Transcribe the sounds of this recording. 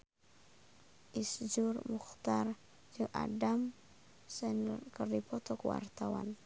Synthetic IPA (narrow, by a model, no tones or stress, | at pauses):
ʔisd͡ʒurmuxt̪ar | d͡ʒuʔa̰dam | sɛnkərdipɔt̪ɔkwa̰rt̪awa̰n